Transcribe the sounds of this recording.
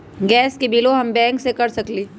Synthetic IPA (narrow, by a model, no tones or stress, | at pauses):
ɡɛːskibiːloɦɐmbɛ̃ːŋksekɐɾsɐkliː